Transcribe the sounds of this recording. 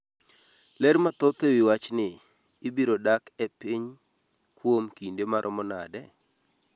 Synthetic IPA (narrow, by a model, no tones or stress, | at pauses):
lɛɾmat̪ot̪owiwat͡ʃnɪː | biɾodakɛpiɲ | kwomkindemaɾʔɔmɔna̰dɛ